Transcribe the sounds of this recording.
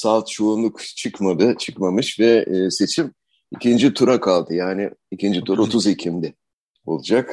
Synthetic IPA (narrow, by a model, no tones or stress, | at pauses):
salt̪t͡ʃʰoːnlˠukt͡ʃʰɯkmad̪ɯt͡ʃʰɯkmamɯʃvɛːse̞t͡ʃʰim | icʰind͡ʒit̪ʰuɾakʰalˠd̪ɯjaːnɪicʰind͡ʒit̪ʰuɾo̞t̪ʰuzecʰimd̪ɪ | o̞̰lˠud͡ʒak